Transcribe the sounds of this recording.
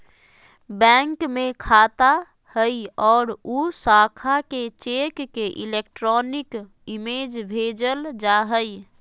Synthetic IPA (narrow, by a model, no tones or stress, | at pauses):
bɛ̃ŋkmekʰat̪a | həjɔːɾusakʰaket͡ʃekːeʔilek̚ʈɾɔnik | imed͡ʒbʱed͡ʒəld͡ʒaɦəj